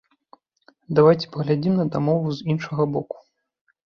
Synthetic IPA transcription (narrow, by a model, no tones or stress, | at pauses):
d̪avajt͡sʲɛ̥pɐɣlʲad͡zʲimnɐd̪amɔvuzinʂɐɣɐbɔku̥